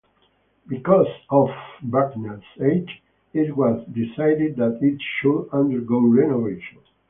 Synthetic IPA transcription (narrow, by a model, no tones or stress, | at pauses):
bikɔzɔvbaknased͡ʒ | itwɔzd̪isajdɪd̪̚d̪æt̪itʃudãnd̪əɾɡoʊɹɛnɔveʃɔ̃n